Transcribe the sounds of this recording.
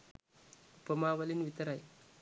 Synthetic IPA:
upːɐmaːʋɐlinʋit̪ɐɾaj

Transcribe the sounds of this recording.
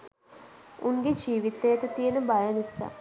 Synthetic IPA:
unɡed͡ʒiːʋit̪ejəʈət̪ijeənəbajənisa̰

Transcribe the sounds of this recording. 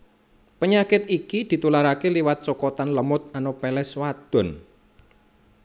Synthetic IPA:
pəɲakɪt̪ikid̪̥i̤t̪ulaɾakeliwat̪̚t͡ʃɔkɔt̪anləmʊt̪̚anopɛlɛswad̪̥ɔ̤n

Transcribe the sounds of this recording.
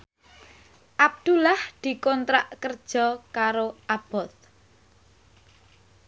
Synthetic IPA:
ʔab̚d̪̥ulahd̪̥i̤kɔnt̪ɾaʔkərd̥ʒ̥ɔ̤kaɾoab̥ɔθ

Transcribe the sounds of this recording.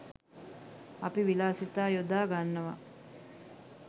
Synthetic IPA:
ɐpiʋilaːsit̪aːjod̪aːɡanːəʋa̰

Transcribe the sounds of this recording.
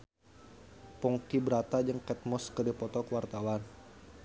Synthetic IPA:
pɔŋkibəɾat̪ad͡ʒəŋkɛt̪̚mɔskədipɔt̪ɔkəwart̪awan

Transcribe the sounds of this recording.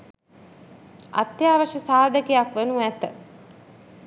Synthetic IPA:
a̰t̪ːjaːʋəʃəsaːd̪əkejakʋenuæt̪ə

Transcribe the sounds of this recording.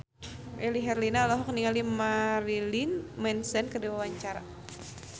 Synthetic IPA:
ʔeliɦɛrlinalaɦukəniŋalimaɾilinmɛnsɛnkədiwawaɲt͡ʃaɾa

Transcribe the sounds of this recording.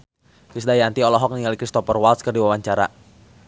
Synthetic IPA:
kɾisdajant̪iɔlɔɦɔk̚niŋalikɾist̪ɔpərwalskərdiwawaɲt͡ʃaɾa̰

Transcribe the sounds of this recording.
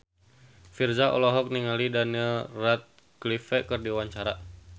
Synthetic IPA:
firzaʔɔ̰lɔɦɔk̚niŋalidaniəlrat̪̚ | klifɛkərdiwaɲt͡ʃaɾa

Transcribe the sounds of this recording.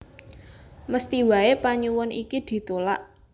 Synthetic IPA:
məst̪iwa̤epaɲuwʊnikid̪̥i̤t̪ola̰ʔ

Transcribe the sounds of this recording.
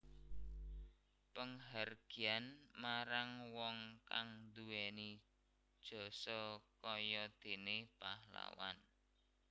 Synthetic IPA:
pəŋɦarɡ̥i̤anmaɾaŋwɔŋkaŋd̪uwɛni | d̥ʒ̥ɔ̤sɔkɔjɔd̪̥e̤nepahla̰wa̰n

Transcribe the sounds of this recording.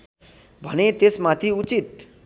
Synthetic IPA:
bʱʌñet̪esmat̪ʰiut͡sit̪

